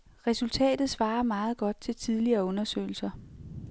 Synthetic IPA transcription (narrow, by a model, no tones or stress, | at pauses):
ʁɛsult͡sʰɛ̰ːd̥ð̩ˠsʋɑ̈ːɐmɑ̈ːð̞̩ˠɡ̥ɒ̽d̥̚t͡sʰe̝lt͡sʰið̞ˠliɐːɔ̽nɐsø̰ɪl̩sɐ